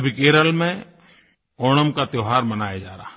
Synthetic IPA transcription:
bʱikeːɾəlmẽ | oːɽ̃əmkat̪joːɦaːɾmɐnaːjad͡ʒaːɾa̰ːɦ

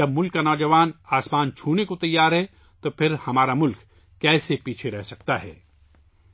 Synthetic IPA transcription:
d͡ʒɐb̚mʊlkːanɔːd͡ʒɐʋaːnaːsmaːnt͡ʃʰuːnekot̪ɐjːaːɾɦɛ | t̪opʰɪɾhɐmaːɾamʊlk | kɛːsepiːt͡ʃʰeɾɛɦsɐk̚t̪aɦɛ̰ː

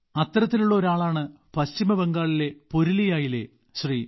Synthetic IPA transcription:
ɐt̪ːɐrɐt̪ːiluɭːɐo̞ɾaːɭaːɳɨ | pɐɕt͡ɕimɐbeŋɡaːɭile̞poɾilijaːjile̞̰ | ɕri

